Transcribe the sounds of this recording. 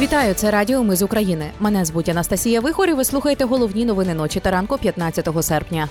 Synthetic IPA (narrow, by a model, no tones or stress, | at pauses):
ʋʲit̪ɑjʊt̪sɛɾɑdʲiɔmɪzʊkɾɐjinɪmɛnɛzbutʲːɐnɐst̪ɐsʲijɐʋɪxɔɾʲɪʋɪslˠuxɐjet̪ɛɦɔlˠɔwnʲinɔʋɪnɪnɔt͡ʃʲit̪ɐɾɑnkʊpʲjɐt̪nɑt͡sʲːɐt̪ɔɦɔsɛrpnʲɐ